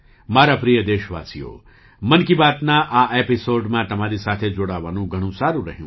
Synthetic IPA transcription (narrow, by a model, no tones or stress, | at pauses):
maːɾapɾijəd̪eːʃʋa̰ːsijo̰ː | mɐnkibaːt̪naʔaːʔeːpisoːɖmãt̪ɐmaːɾisaːt̪ʰed͡ʒoːɽaːʋaːnũɡʱɐɽ̃ũsaːɾũɾɐɦjṵ̃